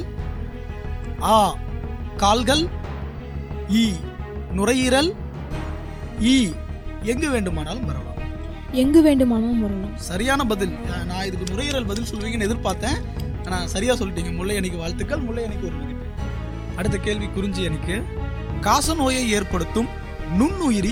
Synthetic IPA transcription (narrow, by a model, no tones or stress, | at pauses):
aː | kaːlɣɐl | iːnʊrɐjɪɾɐl | iːɛŋɡɯʋeːɳɖɯmaːnaːlɯmʋɐɾɐʋa̰ː | ɛŋɡɯʋeːɳɖɯmaːnaːlɯmɐɾɐlɐsɐɾɪjaːnɐbɐðɪlːnãːɪðɯkːɯnʊɾɐjɪɾɐlbɐðɪlsɔlːɯʋiːŋɡɐnɛðɪɾpaːɾt̪ẽː | aːnaːsɐɾɪjaːsɔlːɪʈːiːŋɡɐmʊlːɐɛnɪkːɯʋaːɭt̪ɯkːɐɭmʊɭːɐjɛnɪkːɯʋɐɾɯɪkːɪʈː | ɐɽɯt̪̬ːɐkeːɭʋikʊɾɪɲd͡ʒiɛnɪkːɯ | kaːsɐnoːjɐɪeːɾpɐɽɯt̪ːɯm | nʊɳːuːjɪɾi